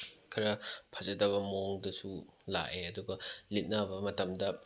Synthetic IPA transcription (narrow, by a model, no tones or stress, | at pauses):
kʰɐɾɐpʰɐzɐdɐβɐmoŋdɐsula̰ʔeɐduɡɐlit̚nabɐmɐtɐmdɐ